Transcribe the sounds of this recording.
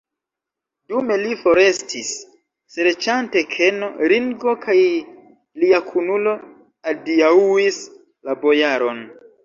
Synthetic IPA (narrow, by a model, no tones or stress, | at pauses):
dume̞lifo̞ɾe̞stʰisː | eɾt͡ʃante̞kʰe̞noɾiŋɡo̞kʰaj | liakʰunulo̞ | adiauis | labo̞jaɾo̞n